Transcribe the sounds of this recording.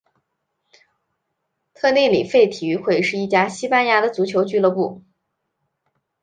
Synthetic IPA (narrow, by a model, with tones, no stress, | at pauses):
t̪ʰɤ˥˧ne˥˩ɪli˨˩fe˥˩ɪt̪ʰi˨˩y˧˥xwe˥˧ɪʂɻ̩˥˧i˥˩t͡ɕja˥ɕi˥pa˥nja˧˥d̪ə˨t͡su˧˥t͡ɕʰjo˧˥ʊt͡ɕy˥˧lɤ˥˧pu˥˩